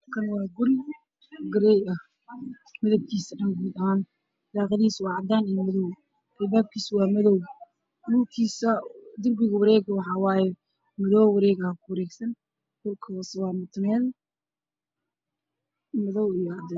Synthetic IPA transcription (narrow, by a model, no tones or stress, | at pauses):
kʰɐnwɑːɡʊɾ | ɡɐɾɛjɐh | mɐðɐwkʰiːsɐɖɐnɡuːd̪ɐhaːn | d̪aːqɐðiːswɑːʕɑd̪aːnijmɐðɔw | ʔɛlbaːb̚kʰiːswɑːmɐðɔw | luːkʰiːsɐd̪ʊrbɪɣɐwɐɾɛːɣwɑħɑːwɑːjɛ | mɐðɔwwɑɾɛːɣɐhkʰʊwɐɾɛːɡsɐn | ɡʊrkʰɐwswaːmɪt̪ʰnɛːn | mɐðɔwijɔʕɑd̪ɛ